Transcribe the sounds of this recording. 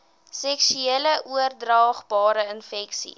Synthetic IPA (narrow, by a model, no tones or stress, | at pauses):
sɛksyeləʔuərdrɑːχbɑːɾəənfɛksḭ